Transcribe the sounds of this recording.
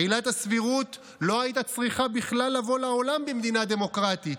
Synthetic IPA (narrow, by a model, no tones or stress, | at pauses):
ilat̪asviʁut̪ | lo̞ajit̪̬at͡sʁiχabiχlalːavo̞lao̞lambemd̪inad̪e̞mo̞kʁat̪it